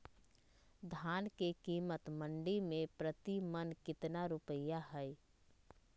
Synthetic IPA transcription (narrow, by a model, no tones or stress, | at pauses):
d̪ʱaːnkekiːmət̪məɳɖimẽpɾət̪imənkɪt̪naɾupəjaɦəj